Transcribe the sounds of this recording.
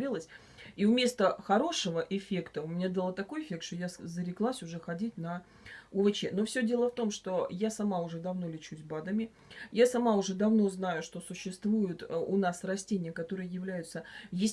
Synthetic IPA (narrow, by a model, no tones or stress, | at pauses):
ilˠəsʲ | iʊmʲe̞st̪əxɐɾo̞ʂəvəʔɪfʲe̞kt̪əʊmʲɪnʲad̪əlˠət̪ɐko̞jɪfʲe̞k̚t̪ʂt̪o̞jazəɾʲɪklˠasʲʊʐɛxɐdʲitʲnə | ʊvɨt͡ɕeno̞fsʲɵdʲe̞lˠəft̪o̞mʂt̪o̞jasɐmaʊʐɛd̪ɐvno̞lʲɪt͡ɕusʲbad̪əmʲɪ | jasɐmaʊʐɛd̪ɐvno̞znajʊʂt̪o̞sʊɕːɪst̪vujʊt̪ʊnasrɐsʲtʲenʲɪjəkɐt̪o̞ɾɨjəjɪvlʲæjʊt̪səjesʲ